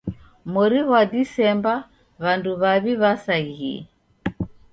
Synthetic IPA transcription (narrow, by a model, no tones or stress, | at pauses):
mɔɾiɣwadisɛmba | βanduβaβiβasaɣiɛ̰